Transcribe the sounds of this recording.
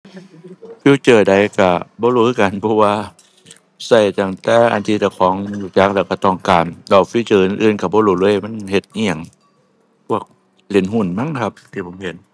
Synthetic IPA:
fiː˧˩t͡ɕɤː˨˩da˨jka˧˩bɔː˧˦luː˧˦˧ka˨npʰɔ˧waː˧ | sa˧˩jt̪a˧˩ŋt̪ɛː˧˩ʔa̰˨nt̪ʰiː˧t̪a˧˩kʰɔː˨˦ŋjuː˧˩t͡ɕa˧˥k̚lɛː˧˩wka˧˩t̪ɔː˧˩ŋkaː˨˩mla˧˩wfiː˧˨t͡ɕɤː˨˩ʔɯ˧nʔɯː˧˨nka˧˩bɔː˧˦luː˧˩˨lu˧˦˨ma˧˥˨nhe˧˩t̪̚ʔi˧˩ə˨ŋ | pʰu˧˩ək̚ | le˨˦nɦu˧˩˨nma˧˥˨ŋ˧kʰa˧p̚t̪ʰiː˧˩pʰo˨˦mhe˨˧˦n

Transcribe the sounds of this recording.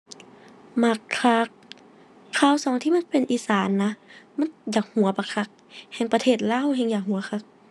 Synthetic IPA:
ma˧˩kʰːa˧k̚ʰː | aː˧˥˨wsɔː˨˦ŋt̪ʰiː˧ma˧˥˨npe˨nʔiː˧˦saː˨˦nːa˧˥ma˧˥˨njaː˨˩k̚hu˨˩˦ɐ˦pa˧˩kʰa˧˥k̚hɛ˧˩ŋpa˧t̪ʰeː˧˩t̪̚laː˧˥˨wɦɛː˧˩ŋjaː˨˩k̚ɦu˨˩˦ɐ˦xʰa˧k̚

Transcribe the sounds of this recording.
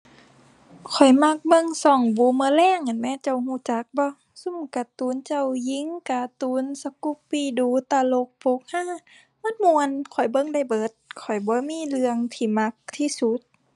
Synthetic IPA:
kʰɔ˨˩jma˧˥k̚bɤ˧˨ŋsɔː˧˩ŋbuː˨˦mɯː˧˨lɛː˧˥˨ŋʔa˨˩nmɛ˧˥˨t͡ɕa˧˩whuː˧˩˨t͡ɕa˨˦k̚bɔ˧˦ | su˧˥˨mka˧˩t̪uː˨˦nt͡ɕa˧˨wji˧˦ŋka˧t̪uː˧˦nsa˧ku˧˦ppːiː˧˩duː˧˦t̪aː˧˨lo˧˦k̚pʰo˧˦k̚haː˧˥˨ | ma˧˥˨nmu˧ənkʰɔ˨˩jbɤ˧˨ŋda˧˩˨jbɤː˨˦t̪̚kʰɔ˨˩jbɔː˧˦miː˧˥˨lɯ˧əŋt̪ʰiː˧˩ma˧˦k̚t̪ʰiː˧˨su˧˦t̪̚

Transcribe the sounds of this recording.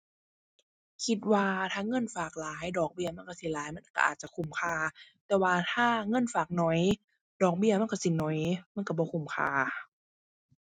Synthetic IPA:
kʰi˧t̪̚waː˧t̪ʰaː˧˥˨ŋɤ˧˥˨nfaː˨˩k̚laː˨˦jdɔː˨˩k̚bi˧˩ɐma˧˥˨nka˧˩si˨˦laː˨˦jma˧˥˨ka˧ʔa̰ː˨˩t̪̚t͡ɕa˧kʰu˧˩mkʰaː˧˩t̪ɛː˨˩waː˧t̪ʰaː˧˥˩ŋɤ˧˥˨nfaː˨˩k̚nɔ˨˦j | dɔː˨˩k̚bi˧˩ɐma˧˥˨kɔ˧˩˨si˨˩nɔ˨˦jma˧˥˨ka˧˩bɔː˧kʰu˧˩mkʰa̰ː˧˩

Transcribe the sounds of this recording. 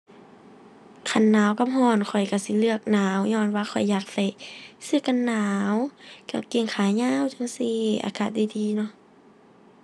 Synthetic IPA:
kʰa˧˩nːaː˨˦wka˧˨p̚hɔː˧˩nkʰɔ˨˩jka˧˩si˧˦lɯ˧ək̚naː˨˦wɲɔː˧˨nwaː˧xʰɔ˨˩jːaː˨˧˩k̚da˧˩jsɯ˧˨ka˧˨nːaː˨˦wka˧˩ke˧˨ŋkʰaː˨˦ɲaː˧˥˨wt͡ɕa˧˦ŋsi˧ʔa̰ː˧˩kaː˧˩t̪̚da˧˩jdiː˧˦nɔ˧˨ʔ

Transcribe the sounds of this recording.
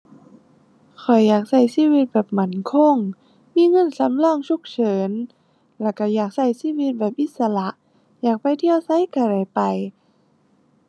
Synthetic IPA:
kʰɔ˨˩jːaː˨˩k̚sa˧˩jsiː˧˥˨wi˧t̪̚bɛː˨˩p̚ma˨˦nkʰɔ˧˥˨ŋ | miː˧˥˨ŋɤ˧˥˨nsa˨˦mlɔː˧˥˨ŋt͡ɕʰu˧˥˩k̚t͡ɕʰɤː˨˦n | lɛ˧˩ka˧˩jaː˨˩k̚sa˧˩jsiː˧˥˨wi˧˦t̪̚bɛː˨˩p̚ʔi˧˥t̪̚sa˧la˧˦ʔ | jaː˨˩k̚pa˧jt̪ʰi˧˨əwsa˧˥˨jka˧˩ɾa˨˩jpa˨˩j

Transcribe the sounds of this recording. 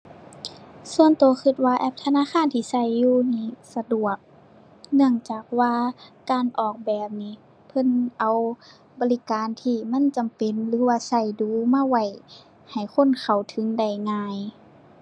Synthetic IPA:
su˧˨ənt̪oː˨˧˦xʰɯ˧t̪̚waː˧ʔɛ˧p̚t̪ʰa˧naː˧˥˨xʰaː˧˥˨nt̪ʰiː˧˩sa˧˩jːuː˧niː˧˥˩sa˧du˨˩ək̚ | nɯ˧˩əŋt͡ɕaː˨˩k̚waː˧kaː˨nʔɔː˨˩k̚bɛː˨˩p̚niː˧˥ | pʰɤ˧˥˨nʔa˨w | bɔː˧˦li˧kaː˨˦nt̪ʰiː˧ma˧˥˨nt͡ɕa˨mpe˨nlɯː˨˧˦waː˧sa˧˩jduː˨˦maː˧˥˨wa˧˩j | ha˨˩jkʰo˧˥˨nkʰa˨˩wt̪ʰɯ˨˦ŋda˧˩jŋaː˧˩j

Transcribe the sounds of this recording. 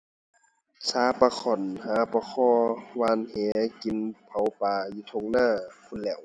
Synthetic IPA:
saː˨˦pa˧kʰɔ˨˩nhaː˨˦pa˧kʰɔː˧waː˧nhɛː˨˦ki˨npʰa˨˦wpaː˨˩juː˧t̪ʰo˧˨ŋnaː˧˥˨kʰu˧˨nlɛː˧˩˨w

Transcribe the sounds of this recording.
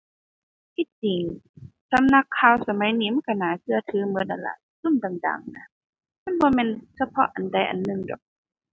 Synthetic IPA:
t̪ʰi˧˥t̪̚t͡ɕi˨˦ŋsa˧˦mna˧˦kʰːaː˧˩wsa˧ma˨˦jniː˧˦ma˧˥˨nka˧˩naː˨˦kʰɯ˧ɐt̪ʰɯː˨˦mɯ˧˦nʔa̰˨˧˩nla̰˧˨˩ | su˧˥˨mt̪a˨˩ŋda̰ː˨˩ŋna˧ | ma˧˥˨nbɔː˧mɛː˧˥˨nsa˧pʰɔ˧ʔa˨nda˧˩jʔa̰˨nːɯ˧˨ŋdɔ̰˨˩k̚

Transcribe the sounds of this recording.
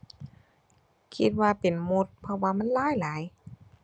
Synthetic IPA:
kʰi˧t̪̚waː˧pe˨nmo˧t̪̚pʰɔ˧waː˧ma˧˥˨nlaː˧˥˨jlaː˨˦j

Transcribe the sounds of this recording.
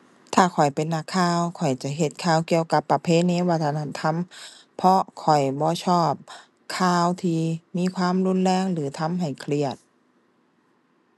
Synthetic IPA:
t̪ʰaː˧˩kʰɔ˨˩jpe˨nːa˧˩kʰːaː˧wkʰɔ˨˩jt͡ɕa˧˦ɦe˧t̪̚kʰaː˧˩˨wki˧˨əwka˧˦pːa˧pʰeː˧˥˨neː˧˥˨wa˧˩t̪ʰːa˧na˧˩nt̪ʰa˧˥˨m | pʰɔ˧kʰɔ˨˩jbɔː˧˦t͡ɕʰɔː˧˩p̚ | kʰaː˧˩wt̪ʰiː˧˩miː˧˥˨kʰwaː˧˥˨mlu˧˥˨nlɛː˧˥˨ŋlɯː˨˦t̪ʰa˧˥˨mɦa˨˩jkʰli˧˩ət̪̚

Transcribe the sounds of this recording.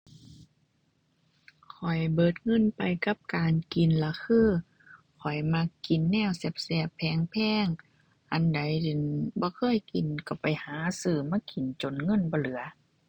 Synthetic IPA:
kʰɔ˨˩jbɤː˨˧˩t̪̚ŋɤ˧˥˨npa˨jka˧˦p̚kaː˨nki˨nla˧kʰɯː˧˥˨ | kʰɔ˨˩jma˧˥ki˨˩nːɛː˧˥˨wse˧˥p̚sɛ˧˩pʰːɛː˧˩˨ŋpʰɛː˧˥˨ŋ | ʔa˨nda˨˦jde˨nbɔː˧˦kʰɤː˧˥˨jki˨nka˧˩pa˨jhaː˨˦sɯː˧˩maː˧˥˨ki˨nt͡ɕo˨nŋɤ˧˥˨nbɔː˧˦lɯ˨˦ɐ

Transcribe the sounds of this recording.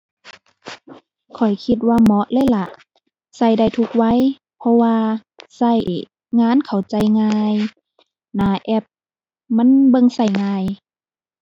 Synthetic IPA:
kʰɔ˨˩jkʰi˧t̪̬̚waː˧mɔ˧˦˥ʔlɤː˧˥˨jla˧˩ʔ | sa˧˩jda˧˩jt̪ʰu˧k̚wa˧˥˨j | pʰɔ˧waː˧ | sa˧˩j | ŋaː˧˥˨nkʰa˨˩wt͡ɕa˧˩jŋaː˧j | naː˨˩ʔɛ˧p̚ | ma˧˥˨nbɤ˧˨ŋsa˧˩jŋaː˧j

